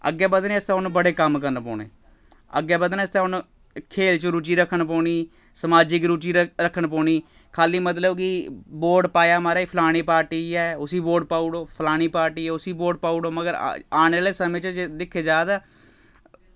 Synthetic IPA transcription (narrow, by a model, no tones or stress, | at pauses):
ə̰ɡːeːbəd̪neːst̪eːʊnũbəɽeːkəmkəɾənpɔ̰ːɳḛː | ə̰ɡːeːbəd̪nest̪eːɦʊn | kʰeːlt͡ʃɾuːt͡ʃiːɾəkʰːənp̬ɔːɳ̃iː | səmaːd͡ʒɪkɾuːt͡ʃiːɾəkʰːənpɔːɳiː | kʰaːliːmət̪̬ləbkɪboːɾɖpaːjaːmaːɾaːipʰlaːɽ̃iːpaːɾʈiːɛːʊsiːboːɾɖ̚paːuːɽoːpʰəlaːɽ̃iːpaːɾʈiːɛːʊsiːboːɖpaːuɽoːməɡəɾ̰aːnːaːleːsəmẽːt͡ʃd̪ɪkʰeːd͡ʒaːd̪aː